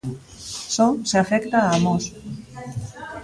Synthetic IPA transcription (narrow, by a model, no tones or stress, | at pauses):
soseafekt̪aːmos